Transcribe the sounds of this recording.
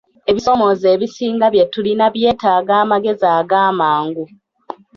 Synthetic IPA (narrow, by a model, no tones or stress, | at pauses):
e̞βiso̞mo̞ze̞ːβisiːŋɡaβje̞tulinaβje̞ːtaːɡaːmaɡe̞zaːɡaːmaːŋɡu